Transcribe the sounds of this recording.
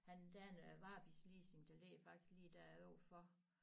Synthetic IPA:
hænd̥æɐnʋɑ̈ːb̥islḭːse̝ŋd̥ælefɑ̈ɡ̥d̥i̥sɡ̥liːd̥æɐɔʊ̰fɒ

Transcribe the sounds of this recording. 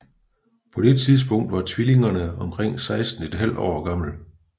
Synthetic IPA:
pʰɒ̽d̥e̝t͡sʰið̞ˠs̬b̥ɔ̽ŋ̰d̥ʋɑ̈t͡sʰʋile̝ŋɐnəɒ̽mkʰʁeŋ̰sɑ̈ɪsd̥n̩e̝d̥ɦæl̰ɒ̰ːɡ̥ɑ̈ml̩

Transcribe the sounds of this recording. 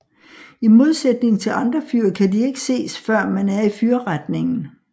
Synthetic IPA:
imo̝ð̞ˠsed̥ne̝ŋ̩t͡sʰe̝lʔɑ̈nd̥ʁɐfyːɐkʰædie̝ɡ̥əse̝̰ːsfɶɐ̰mænæɐifyːɐʁad̥ne̝ŋn̩

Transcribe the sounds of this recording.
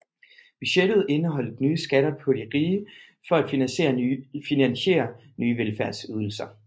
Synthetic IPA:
b̥yɕed̥ð̞̩ˠe̝nəɦɒ̽l̰d̥̩ˠnyːəsɡ̥æɾ̥ɐpʰɒ̽ɾ̥iʁiːə | fɒ̽æd̥finænsḛːɐfinænɕe̝̰ːɐ | nyːəʋelfæɐd̥syð̞ˠl̩sɐ

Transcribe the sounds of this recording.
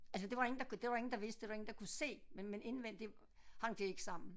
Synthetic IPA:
æls̬əd̥e̝ʋɑ̈e̝ŋn̩d̥ɑ̈kd̥e̝ʋɑ̈e̝ŋn̩d̥ɑ̈ʋ̝sd̥d̥e̝ʋɑ̈eŋn̩d̥ɑ̈kʰuse̝̰ːmemene̝nʋen̰d̥de̝ | hɑ̈ŋ̰d̥ee̝ɡ̥ə̥sɑ̈m̰n̩

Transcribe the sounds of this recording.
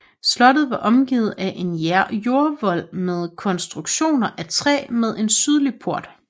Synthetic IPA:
slɒ̽d̥ð̩ˠʋɑ̈ʔɒ̽mɡ̥ḭːð̞̩ˠæʔe̝njæɐ̰jo̝ːɐʋɒ̽l̰með̞ˠkʰɒ̽nsd̥ʁuɡ̥ɕo̝̰ːnɐʔæt͡sʰʁɛ̰ːmeðˠe̝nsyð̞ˠlipʰo̝ɐ̰d̥

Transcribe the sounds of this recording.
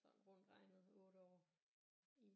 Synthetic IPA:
sɒ̽m̰ʁɔn̰d̥ʁɑ̈ɪnəð̩ˠɔ̽ːɾəɒ̰ː | i

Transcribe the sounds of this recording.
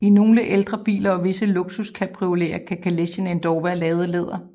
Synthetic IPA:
ino̝ːləʔeld̥ʁɐb̥ḭːlɐɒ̽ʋe̝səlo̝ɡ̥suskʰæpʰʁiole̝̰ːɐkʰækʰæleɕəne̝nd̥ɒʊʋæɐlɛːð̞ˠəle̝ð̞̰ˠɐ

